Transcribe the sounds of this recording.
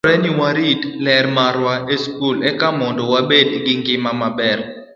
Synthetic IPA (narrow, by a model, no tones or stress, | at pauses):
ɾɛniwaɾitlɛrmaɾwaʔeskulɛkamɔndɔwabedɡɪŋɡɪmamabɛr